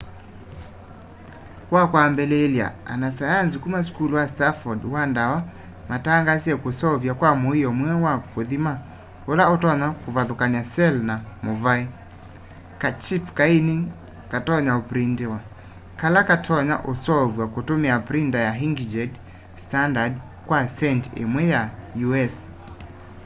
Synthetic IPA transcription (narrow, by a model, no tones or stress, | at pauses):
wakwambɛlɛːlja̰a̰nasajanz̬ikumas̬kuluwastafɔdwandawa | mataŋɡasijɛkosɔvjakwamoijɔmwɛwakoðima | olaotɔɲakovaðokaniasɛlnamovai | kat͡ʃipkainiŋ | katɔɲaopɾintewa | kalakatʰɔɲa̰ʔosɔvwakotomɛapɾindajaɦiŋɡid͡ʒɛd | standad | kwasɛntḛmwɛjajuɛs